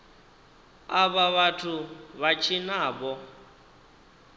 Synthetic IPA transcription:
aβaβatʰuβat͡ʃʰinaːβɔ

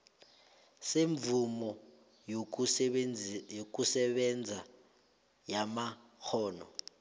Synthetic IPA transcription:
seɱvumɔ | jok̬ʼusɛɓɛnd͡zʱa | jamaxʰɔːnɔ̰

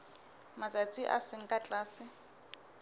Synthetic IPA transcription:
mat͡sʼat͡sʼiʔa̰sɪŋ̩kʼat͡ɬʼaːsɪ

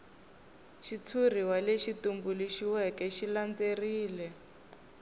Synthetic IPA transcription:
ʃit͡sʰuriwaleʃitumbuliʃiwɛkɛʃiland͡zeriːlɛ

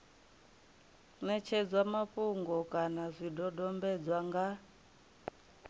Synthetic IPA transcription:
nɛt͡ʃʰɛd͡zwamaɸuŋɡɔkʼanazʷidɔdɔmbɛd͡zwaŋɡa

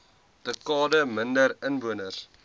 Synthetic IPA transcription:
dəkɑːdəməndəɾənvuənərs

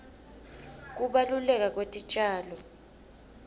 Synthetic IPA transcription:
k̬ʼuɓalulɛk̬ʼak̬ʼwetʼit͡ʃʼaːlɔ

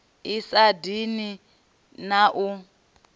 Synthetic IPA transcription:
isadini | naʔu

